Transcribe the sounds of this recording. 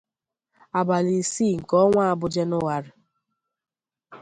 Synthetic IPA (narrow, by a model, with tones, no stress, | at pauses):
a˨ba˨li˨siː˦˨ŋ̩˨kɔ˦ŋʷa˦a˦˨bʊ˦d͡ʒe˦nʊ˦wa˨ɾɪ˨